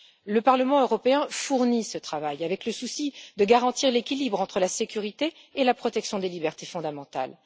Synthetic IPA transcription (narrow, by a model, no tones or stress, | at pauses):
ləpaʁləmɑ̃øʁɔpeɛ̃fuʁnisət̪χavajavɛkləsusid̪əɡaʁɑ̃t̪iʁlekʲilibʁɑ̃t̪χəlasekʲyʁit̪eː | lapχɔt̪ɛksjɔ̃d̪elibɛʁt̪efɔ̃d̪amɑ̃t̪a̰l